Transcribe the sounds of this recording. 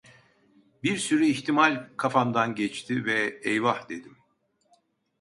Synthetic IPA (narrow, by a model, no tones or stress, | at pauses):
biɾsyɾyiçt̪ʰimalʲkʰafamd̪anɟɛt͡ʃt̪ʰivɛɛjvahd̪e̞d̪im